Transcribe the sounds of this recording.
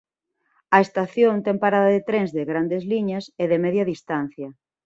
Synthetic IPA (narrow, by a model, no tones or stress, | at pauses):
ɐest̪aθjõnt̪ɛŋpaɾaðɐðet̪ɾeŋzðeɣɾand̪ezliɲɐseðɪmɛðjɐðist̪an̟θjɐ